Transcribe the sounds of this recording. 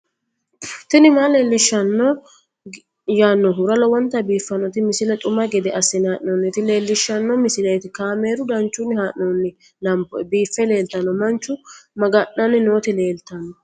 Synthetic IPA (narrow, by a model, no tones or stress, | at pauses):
t̪ɪnɪmaːleːlːɪʃːɐnːɔ | jaːnːɔɦʊɾɐlɔwɔnt̪ːɐbiːfːɐnɔt̪ɪmɪsɪlɛt̪ʼʊmɐɡɛd̪ɛʔɐsːɪnhaːʔnoːnːɪt̪ɪle̞ːlːɪʃːɐnːɔmɪsɪlɛt̪ɪkaːme̞ːɾʊd̪ɐnt͡ʃːʊnːɪhaːʔnonːɪ | lɐmpːɔbiːfːɛle̞ːlt̪ɐnːɔmɐnt͡ʃːʊmɐɡɐʔːɐnɪno̞ːt̪ɪleːlt̪ɐnːɔ